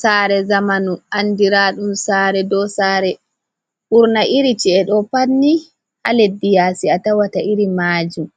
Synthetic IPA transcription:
saːɾɛzamanuʔandiɾaɗumsaːɾɛdɔsaːɾɛ | ʔuɾnaʔiɾit͡ʃiɛɗɔpanːi | ha̰ledːijaːsiatawataʔiɾimaːd͡ʒum

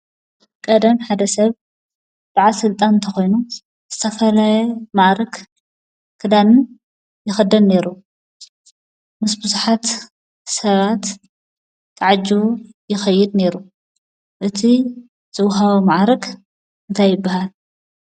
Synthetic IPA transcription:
kʼɐd̪ɐmħad̪ɐsɐβ | d̪̥aʕasɨlt̪ʼanɨnt̪ʰɐxo̞jnu | z̥ɨt̪ʰɐfɐlajɛmaʕɾɐk | kʰɨd̪anɨn | jɪxɐd̪ɐnne̞ɾu | mɨsbɨzuħat̪ | sɐβat̪ːʰ | aʕad͡ʒu | jɪxɐjːɪd̪ne̞ɾu | ʔɨt̪ʰi | z̥ɨwɦawɐmaʕɾɐk | ɨnt̪ʰajːɪbːaɦal

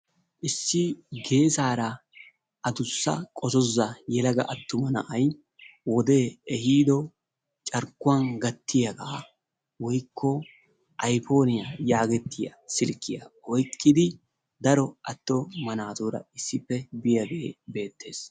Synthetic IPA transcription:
ʔɪsːɪɡe̞ːsaːɾɐ | ʔɐd̪ʊsːɐ̰kʼɔsɔzɐjɛlɐɡɐʔɐt̪ːʊmɐnɐ̰ʔɐj | wɔd̪e̞ːɛhiːd̪ɔ | t͡ʃʼɐɾkːʊwanɡɐt̪ːɪjɐɡaː | wɔjkʰːɔ | ʔɐjpo̞ːnɪjɐjaːɡɛt̪ʰːɪjɐ̰sɪlkːɪjɐ̰ɔjkːɪd̪ɪ | d̪ɐɾɔɐt̪ːɔmɐnaːt̪uːɾɐ̰ɪsːɪpːɛbɪjɐɡeːbe̞ːt̪ːe̞̰ːs

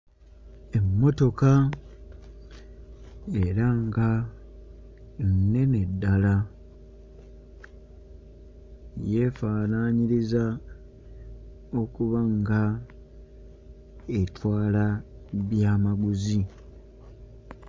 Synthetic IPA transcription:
e̞mːo̞to̞ka | e̞ɾaŋɡa | nnːe̞ne̞dːala | je̞faːnaɲiɾiza | o̞kuβaŋɡa | etwaːlaβjaːmaɡuzi

